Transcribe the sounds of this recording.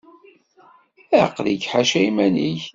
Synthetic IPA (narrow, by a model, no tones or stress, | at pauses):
æqliɡħaʃæjmæniç